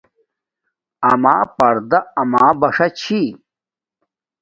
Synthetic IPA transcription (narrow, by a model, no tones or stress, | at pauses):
ɐmaːpɐɾd̪ɐɐmaːbɐʂɐt͡ɕʰi